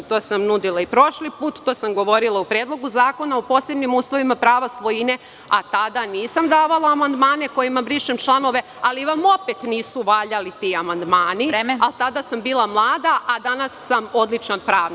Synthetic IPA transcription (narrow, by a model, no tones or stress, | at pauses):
t̪oːsamnud̪ilˠaipɾo̞ʃlipuːt̪ːoːsamɡo̞ʋo̞ɾilˠaupɾeːd̪lˠo̞ɡuzaːko̞naopo̞se̞bnimuːslˠo̞ʋimapɾaːʋasʋo̞jine̞ | at̪ad̪aniːsamd̪aːʋalˠaːmand̪maːne̞ko̞jimabɾiʃemt͡ʃlˠano̞ʋe̞ | aliʋamo̞pet̪niːsuʋaːʎalit̪iamand̪maːnialt̪ad̪asambiːlˠamlˠaːd̪aʔad̪anasːamo̞d̪lˠit͡ʃnanpɾaːʋn